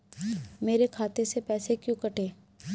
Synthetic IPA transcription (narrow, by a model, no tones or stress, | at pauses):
meːɾekʰaːt̪esepɛːsekjũkɐʈʰeː